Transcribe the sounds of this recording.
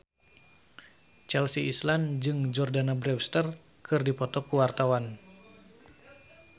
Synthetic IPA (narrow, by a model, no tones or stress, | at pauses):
t͡ʃɛlsiisland͡ʒɨŋd͡ʒɔrdanabɾɛwst̪ər | kɨrdipɔt̪ɔkuwart̪awan